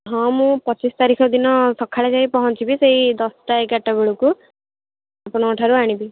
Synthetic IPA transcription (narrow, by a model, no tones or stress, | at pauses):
ɦɔ̃mũpɔt͡ʃist̪aɾikʰɔd̪inɔsɔkʰːaɭed͡ʒaɦĩpɔɦɔnt͡ʃibiseɦid̪ɔsʈaekaʈabeɭuku | apɔɽ̃ɔɔʈʰaɾuaɽ̃ibi